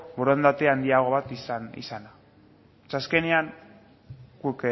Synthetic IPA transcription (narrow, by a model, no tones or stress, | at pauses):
boɾond̪at̪eand̪iaɣ̞o̞βat̪isanḭsana | t͡ʃaskeneaŋ | ɡuk